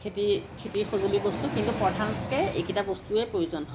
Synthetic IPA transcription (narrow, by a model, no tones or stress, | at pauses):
etikʰetiɹxozolibɔstukintupɹɔtʰanskɛḛkitabɔstuɛpɹojozɔnɦɔ